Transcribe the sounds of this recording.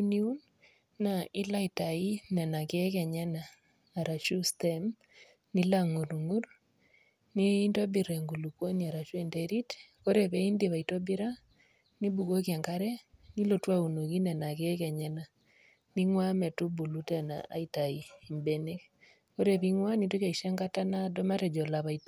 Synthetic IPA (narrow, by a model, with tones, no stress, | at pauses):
u˦ni˦u˦n | na˨i˦la˦i˨ta˨i˦nɛ˨na˨ke˦kɛ˨ɲɛ˦naː˨ | ɾa˨ʃu˦stɛm | ni˦la˨ŋo˨ɾu˨ŋu˦ɾ | ni˦ndɔ˦bi˨ɾɛ˨ŋɡu˨lu˨kwo˦ni˨a˨ɾa˨t͡ʃwe˨ndɛɾi˦tko˦ɾe˨βɛ˦i˦nde˨βa˨i˨tɔ˦bi˦ɾa˦ | ni˦bu˨ɣo˦kjɛ˨ŋɡaɾɛ˦ni˦lo˨twa˦u˨no˨ɣi˦nɛ˨na˨ke˦kɛ˨ɲɛ˦na˨ | ni˦ŋwa˦mɛ˨tu˦bu˨lu˦tɛ˦na̰˨ʔa̰˨i˨ta˨i˨i˨mbe˦ne˦k | ko˦ɾe˦βi˦ŋwa˦ni˨do˦ka˨i˨ʃɛ˦ŋɡa˦ta˦na˦dɔ˦ma˦ɾɛ˨d͡ʒɔ˨la˨βa˨it